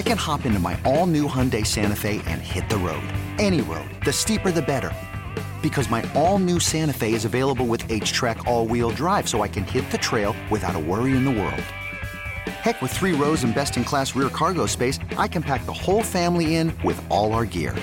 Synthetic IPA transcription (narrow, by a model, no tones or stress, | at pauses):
aɪkɨ̃nhɑpɪ̃ntuma̰ɪʔõlˠnʉhʌ̃ndeɪsæ̃ñɨfeɪʔɨ̰̃nhɪt̪̚ðəɹo̰ʊdɛñiɹo̰ʊd̪̚ðɨstipə˞ðɨbɛɾə̰˞ | b̥ɨkʰʌzmaɪõʊ̃lˠnʉsæ̃ɾ̃ɨfeɪɨzɨveɪlˠəbl̩ˠwɨðeɪ̥t͡ʃtʰɹ̥ækʰɔlˠwil̩ˠdɹaɪv̥soʊaɪkɨ̃nhɪt̪̚ðɨtʰɹ̥eɪlˠwɨθaʊɾə̰wɜ˞iɨ̃nðəwɜ̰˞lˠd̥ | hɛkwəð̥θɹiɹoʊzɨ̃nbɛstɨ̃nkʰl̥æsɹɪɹkʰɑɹɡoʊspeɪsʔaɪkɨ̃npʰæk̚ðəhoʊlˠfæ̃mliɪ̃nwɪ̰ðʔɔlˠaʊə˞ɡɪ̰ɹ